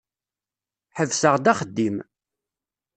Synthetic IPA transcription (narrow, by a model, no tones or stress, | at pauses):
ħəvsəʁd̪æχəd̪ːim